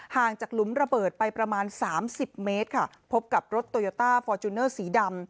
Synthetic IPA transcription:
haː˨˩ŋt͡ɕaː˨˩k̚lu˩˦mɾa˧bɤː˨˩t̪̚pa˧jpɾa˧maː˧nsaː˩˦msi˨˩p̚meː˦˥t̪̚kʰa˥˩ | pʰo˦˥p̚ka˨˩p̚ɾo˦˥t̪ːoː˧joː˧t̪aː˥˩fɔː˧t͡ɕ̪u˧nɤː˥˩siː˩˦da˧m

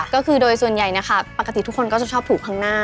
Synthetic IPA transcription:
kɔː˥˩kʰɯː˧doː˧jsu˨˩ənja˨˩jna˦˥xʰa˥˩pa˨˩kːt̪i˨˩t̪ʰu˦˥kʰːo˧nkɔː˥˩t͡ɕa˨˩t͡ɕʰɔː˥˩p̚t̪uː˨˩k̚ʰaː˦˥ŋnaː˥˩

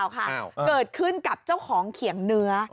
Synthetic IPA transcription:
wkʰa˥˩kɤː˨˩t̪̚kʰɯ˥˩nka˨˩p̚t͡ɕa˥˩wkʰɔː˩˦ŋkʰi˨˩˦əŋnɯ˧˥ɐ

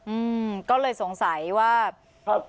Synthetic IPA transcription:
ʔɯː˧mkɔː˥˩lɤː˧jso˨˩˦ŋsa˩˦jwaː˥˩ | a˧˩

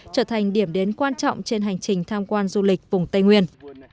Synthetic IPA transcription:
t͡ɕəː˧˩t̪ʰa˨˩jŋ̟ɗi˧˩əmɗe˨˦nkwaː˧nt͡ɕɔ̰˧˨wŋ͡mt͡ɕe˧nɦa˨˩jŋ̟t͡ɕï˨˩ŋ̟t̪ʰaː˧mkwaː˧nzu˧lï˨˩k̚vʊ˨˩ŋ͡mt̪ə˧jŋwi˧ən

